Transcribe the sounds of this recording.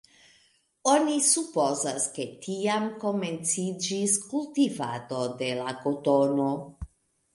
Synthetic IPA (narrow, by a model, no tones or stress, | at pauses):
onisupozaske̞tʰiamko̞ment͡sid͡ʒiskultiva̰do̞de̞lakotono̞